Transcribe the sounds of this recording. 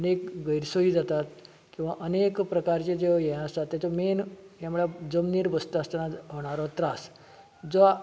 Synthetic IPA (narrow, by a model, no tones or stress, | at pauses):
ənekɡəjɾsoiːd͡zat̪at̪ | kĩw̃ʋaʔənekpɾəkaɾt͡ɕed͡zeʋjɛ̃əst̪at̪ːɛt̪omenjamuɭad͡zəmniːɾbəst̪ast̪anaɦoɽ̃aɾɔt̪ɾas | d͡zɔ